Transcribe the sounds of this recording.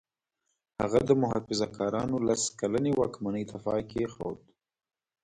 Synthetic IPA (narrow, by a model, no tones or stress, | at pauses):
haɣad̪əmʊɦɑfɪzakɑɾɑnolaskalanewɑkmanəjt̪afɑkexa̰wd̪